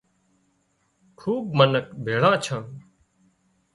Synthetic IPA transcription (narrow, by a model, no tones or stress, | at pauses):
kʰuːbmənəkbʱeːɭãːt͡ʃʰə̃ː